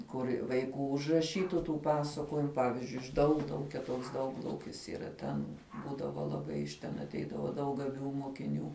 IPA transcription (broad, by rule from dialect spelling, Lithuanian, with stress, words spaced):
ˈkʊrʲ ʋɐɪˈkuː ʊʒrɐˈʃʲiːtʊ tuː ˈpɑːsɐkoːjɪmʊ ˈpɑːʋʲɪzʲd͡ʒʲʊɪ ɪʃ ˈdɐʊɡlˠɐʊkʲɛ ˈtoːks ˈdɐʊɡlˠɐʊkʲɪs iːˈrɐ tʲɛn ˈbuːdɐʋoː lˠɐˈbɐɪ ɪʃ ˈtʲɛn ɐtʲˈɛɪdɐʋɐ ˈdɐʊk ɡɐˈbʲuː moːkʲɪˈnʲuː